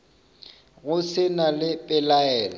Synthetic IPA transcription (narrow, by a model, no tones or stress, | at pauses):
ɣʊsɪnalɪpʼɪlaɛːlɔ